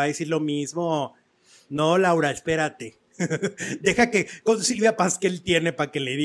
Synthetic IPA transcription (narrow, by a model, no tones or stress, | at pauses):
aðesiɾlo̞mizmo̞ | nolawɾaespe̞ɾat̪e̞ | d̪e̞xake̞ko̞nsiðapaskeelt̪je̞ne̞pake̞le̞ði